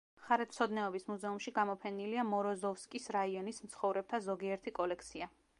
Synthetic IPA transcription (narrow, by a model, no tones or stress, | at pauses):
χaɾɛt̪t̪sʰɔd̪nɛɔbismuzɛumʃiɡamɔpʰɛniliamɔɾɔzɔfskʼisɾaiɔnismt̪sʰχɔvɾɛb̚t̪ʰazɔɡiɛɾt̪ʰikʼɔlɛk̚ʰt̪sʰia